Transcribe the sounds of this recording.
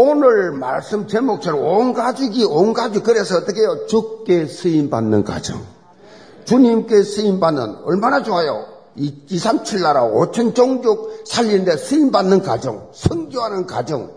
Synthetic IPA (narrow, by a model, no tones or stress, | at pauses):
onɯɭma̰ɭs͈ɯmt͡ɕemok̚t͡ɕ͈ʌɾoonɡad͡ʑiɡionɡad͡ʑukɯɾe̞sʰʌːt͈ːʌkʰe̞jot͡ɕuk̚k͈e̞sʰɯimbanːɯnka̰d͡ʑɯ̰ŋ | t͡ɕuɲimk͈e̞sʰɯimbanːɯ̰nʌ̰ɭmanad͡ʑoɦajo̰ | isʰamt͡ɕʰiɭːaɾao̰t͡ɕʰent͡ɕoŋɡjok̚sʰaʎːinnde̞sʰɯimbanːɯnkad͡ʑɯŋsʰɯŋɡjoɦanɯnka̰d͡ʑɯŋ